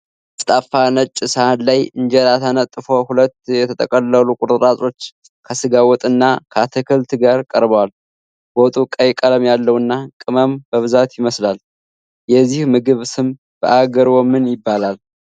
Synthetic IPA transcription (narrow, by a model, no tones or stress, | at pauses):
st̪ʼafːanət͡ʃʼːɪsəanlajɨnd͡ʒɛlat̪ʰanət̪ʼːɨfohulət̪ːjɛt̪ʰət̪ʰʼəkʼəlːəlukʼʊɾt̪ʼɨɾʼasʼo̞t͡ʃː | kʰəsɨɡawɔt̪ʼɨnːakʰəat̪ʰɨkʰɨlt̪ɡaɾkʼəɾbəwal | bot̪ʼukʼəjkʼələmjalːəwɨnːakʼɨməmbəβɨzat̪jɪməslal | jɛzːihmɨɡɨβsɨm | b̥əʔaɡəɾwɔmɨnjɪbːalal